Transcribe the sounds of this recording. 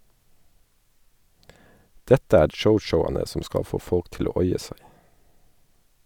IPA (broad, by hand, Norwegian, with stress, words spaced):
ˈdɛtə ˈæːɾ ˈʃəʊʃəʊɑnə ˈsɔm ˈskɑ ˈfoː ˈfɔlk ˈtɪl ˈoː ˈɔʏɛ ˈsæɪ